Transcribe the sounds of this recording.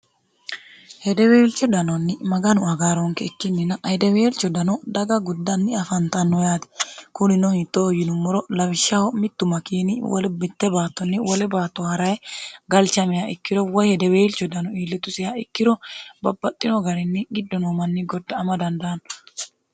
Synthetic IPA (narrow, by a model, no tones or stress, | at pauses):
hɛd̪ɛweːlt͡ʃːɔd̪ɐnɔnːɪmɐɡɐnʊɐɡaːɾɔŋkɛɪkːɪnːɪnɐʔːjd̪ɛwe̞ːlt͡ʃːɔd̪ɐnɔd̪ɐɡɐɡʊd̪ːɐnːɪɐfɐnt̪ɐnːɔjaːt̪ɛ̥kʊnɪnɔit̪ʼːojɪnʊmːɔɾɔlɐwɪʃːɐhɔmɪt̪ːʊmɐkiːnɪwɔ̰lɛbɪt̪ːɛbaːt̪ːɔnːɪwɔlɛbaːt̪ːɔhɐɾɐjɛɡɐlt͡ʃɐmɛjaɪkːɪɾɔwɔjhɛd̪ɛweːlt͡ʃːɔd̪ɐnɔiːlːɛt̪ʊsɪjaɪkːɪɾɔbɐbːɐt̪ʼːɪnɔɡɐɾɛnːɪɡɪd̪ːɔnɔmɐnːɪɡɔd̪ːɐːmɐd̪ɐnd̪ɐːn